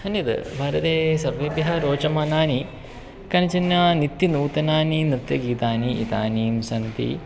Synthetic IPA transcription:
hɐnːit̪bʱaːɾɐt̪eːsɐɾʋebjɐɦɐɾoːt͡ʃɐmaːnaːni | kɐnɐt͡ʃɐnjɐnit̪ːinuːt̪ɐnaːninɾɨt̪jɐɡiːt̪aːniʔḭt̪a̰ːniːmsɐnt̪ḭ

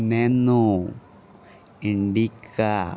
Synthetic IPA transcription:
nenu | iɳɖikːa

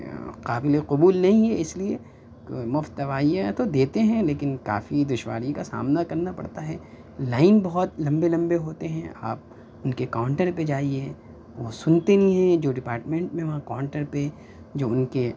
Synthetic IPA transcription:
qaːbɪleqʊbuːlnɐɦĩɦɛɪslie | kmʊft̪ɐʋaːijãt̪od̪eːt̪eɦɛ̃leːkɪnka̰ːfid̪ʊʃʋa̰ːɾikasa̰ːmnakɐɾnapɐ̰ɽt̪aɦɛː | laːɪnbɐɦɔt̪lɐ̃mbelɐ̃mbeɦoːt̪eɦɛ̃a̰ːp̚ | ʊnkekaːʊ̃ɳʈəɾped͡ʒaːie | ʋosʊnt̪enĩɦɛ̃d͡ʒoːɖɪpaːɾʈmẽɳʈmẽʋɐãkaʊɳʈəɾpe | d͡ʒoːʊnke

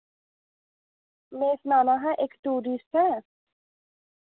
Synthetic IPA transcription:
meːsnaːnaːɦɛ̃ʔekʈuːɾisʈɦɛ̃

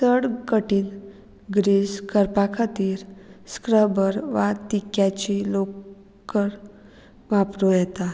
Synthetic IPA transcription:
səɽkəʈiːn | ɡɾiːskəɾpakʰat̪iːɾskɾəbəɾʋat̪ikjat͡ɕilok | əɾ | ʋapɾojɛt̪a

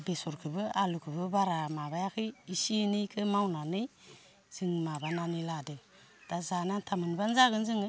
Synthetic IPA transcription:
besoɾkəbəalukəbəbaɾamabajakiisinejkʰəmawnane | z̥ɨŋmabananiladə | d̥azanantʰamənbanzaɡənziŋ

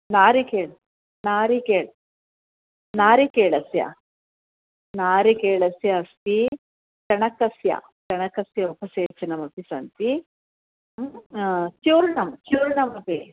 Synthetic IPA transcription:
naːɾikeːɭɐ | naːɾikeːɭ | naːɾikeːɭɐsjɐ̰ | naːɾikeːɭɐsjɐɐst̪i | t͡ʃɐɳɐkɐsjɐ̰ | t͡ʃɐɳɐkɐsjɐopɐseːt͡ʃɐnɐmɐpisɐnt̪i | t͡ʃuːɾnɐmt͡ʃuːɾnɐmɐpi

